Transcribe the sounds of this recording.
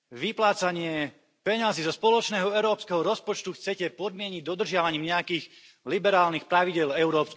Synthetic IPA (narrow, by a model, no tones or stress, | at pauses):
ʋiplaːt͡saɲɪɛ | pɛɲazizɔspɔlɔt͡ʃnɛːɦɔɛʊɾɔːpskɛɦɔɾɔspɔt͡ʃt̪uxt͡sɛcɛpɔd̪mɪɛɲiɟ̚d̪ɔd̪r̩ʒɪaʋaɲiːmɲɛjakiːx | libɛɾaːlnixpɾaʋiɟɪɛlɛʊɾɔːpsk